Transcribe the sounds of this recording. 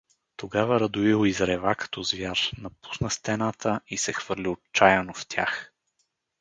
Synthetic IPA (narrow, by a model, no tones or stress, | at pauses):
t̪oɡavəɾɐd̪ʊiɦoizɾɛvakɐ̥t̪ɔzvjaɾnɐpu̥snəst̪ɛnat̪ʰəisɛxvɤɾliot͡ʃajənoft̪ʲja̰x